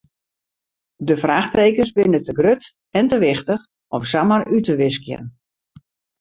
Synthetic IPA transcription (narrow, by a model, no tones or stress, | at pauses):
dəfraːxteːkəsbɪnətəɡrøt | ɛntəʋɪxtəx | ɔmsamərʔytəʋɪskjə̰n